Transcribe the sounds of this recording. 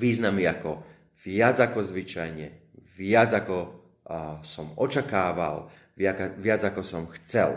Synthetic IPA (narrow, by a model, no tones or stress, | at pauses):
ʋiːznamiakɔ | ʋɪad͡zakɔzʋit͡ʃajɲɛ | ʋɪad͡zakɔ | sɔmɔt͡ʃakaːʋa̰l | aʋɪad͡zakɔsɔmxt͡sɛ̰l